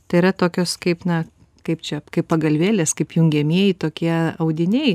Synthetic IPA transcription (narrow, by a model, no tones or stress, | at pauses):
t̪ɐɪiɾɐt̪oːkʲoːskɐɪpnɐ | kɐɪpt͡ʃʲɛkɐɪppɐɡɐlʲʋʲeːlʲeːskɐɪpjʊŋʲɡʲɛmʲiɛjɪt̪oːkʲiɛɐʊd̪ʲɪnʲɛɪ